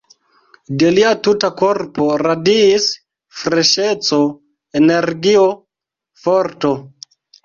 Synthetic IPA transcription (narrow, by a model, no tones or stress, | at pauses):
deliatutakoɾpoɾadiːs | fɾeʃet͡so | eneɾɡio | foɾto